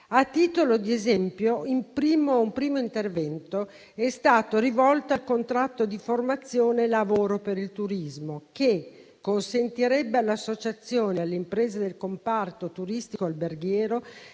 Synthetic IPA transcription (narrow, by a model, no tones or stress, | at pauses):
at̪ːiːt̪olod̪iezɛmpjoilpɾiːmoumpɾiːmoint̪ervɛnt̪o | ɛst̪aːt̪oɾivɔlt̪oalkont̪ɾat̪ːod̪iformat̪sːjoːnelavoːɾopeɾilt̪uɾizmoke | kːonsent̪iɾɛbːealːeasːot͡ʃat̪sːjoːnealːeimpɾeːzed̪elkompart̪ot̪uɾist̪ikoalberɡjɛːɾo